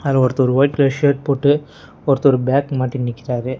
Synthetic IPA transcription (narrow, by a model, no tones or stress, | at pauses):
ɐlɐ̃ɔɾɐt̪ːɔɾɯʋɐɪʈ̚klɐʂɐɾpoːʈːɯ | ɔɾɐt̪ːɔɾɯbjaːkmaːʈːinːɪkːɪɾaːɾɯ